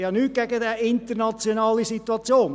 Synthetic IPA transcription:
jɑːnyːt̚ɡ̥ɛɡədɛʔɪnt̪əɾnɑt͡sjonɑːlisituɑt͡sjoːn

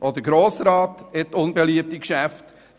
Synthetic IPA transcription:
ʔɔd̪əɾɡɾoːsɾɑːtɛttːʊnbeliəp̚tikʃæft

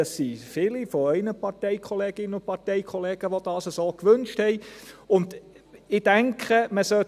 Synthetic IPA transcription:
ɑsːifɪlifoɛɪnəpɑɾtɛɪkʰɔleːɡ̥ɪnːənʊnt̚pɑʁtɛɪkʰɔleːɡ̥əʋod̥ɑːsəsoːkʋʏnʃthɛɪʊnd | ɪd̥æŋkχəməsœ

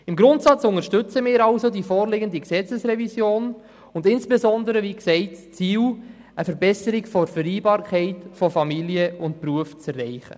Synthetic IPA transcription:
ɪmɡɾʊntsɑt͡sʊŋəʃtʏt͡səmɪːɾɑlsodifɔːɾleɡəndiksɛt͡səsɾɛvisjoːn | ʊndɪnsb̥ezɔndəɾəʋiːksɛɪtst͡siːl | ʔəfəɾbɛsəɾikfɔɾfəɾiːbɑːɾkʰχɛɪtfɔfɑmiliəʊntpruəft͡sɛrːɛɪχə̰

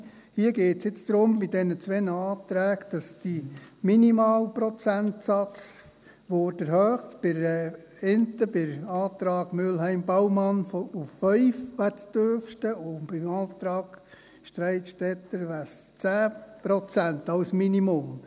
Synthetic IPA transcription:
hiəɡeːtsjɪt͡sd̪̥ɾʊmbɪd̥ɛnət͡sʋɛnəɑːt̪ɾæːɡd̥ɑsd̥iminimɑːlpɾɔt͡sænt̪sɑt͡s | ʋoːd̥əɾhœːχb̥ɪɾɛ | ɪnt̪əbɪɾɑːt̪ɾɑːɡ̥mʏlhɛɪmbɑwmɑnfuffœʏfʋættøfʃtəʊb̥ɪmɑːt̪ɾɑːɡ | ʃtɾɛɪtʃtɛt̪ːəʋæst͡sæːpɾɔt͡sænt̪ɑwsminimʊm

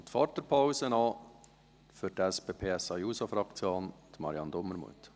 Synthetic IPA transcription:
t̪fɑɾtəɾpʰaʊsənɑː | fʏɾtæspeːpʰeːɛsɑjuːsofɾɑkt͡sjoːnd̥̪mɑɾiɑnd̪ʊmːəɾmṵət̪

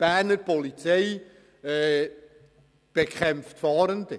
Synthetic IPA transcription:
b̥æːɾnəɾpɔlit͡sɛj | ɛː | b̥ekʰχɛmftfɑːɾəndi

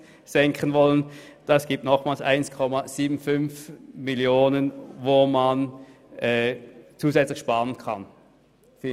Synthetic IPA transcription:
z̥ɛŋkʰənvɔlənd̥asɡ̥iːp̚tnɔχmaːlsʔa̰ɪnskʰɔmaz̥iːbn̩fʏnfmiljoːnənvoːman | ʔɛt͡suːzɛt͡slɪçʃpaːʁənkʰan | f

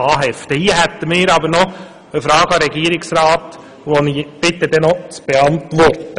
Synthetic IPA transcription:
ɑːɦɛft̪əhiəɦæt̪ːəmɪːɾɑbəɾnɔ | əfɾɑːɡɑɾɛɡiəɾɪksɾɑːt̪ | ʋoniːb̥ɪt̪ːəd̪ɛnɔt͡sb̥eɑnt̪ʋɔrtə

